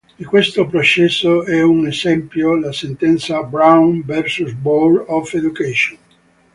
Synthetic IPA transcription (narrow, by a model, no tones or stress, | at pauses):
d̪ikwest̪opɾot͡ʃɛsːoɛunezɛmpjolasent̪ɛnt̪sabɾawnvɛrsusbɔlɔfed̪ukɛʃon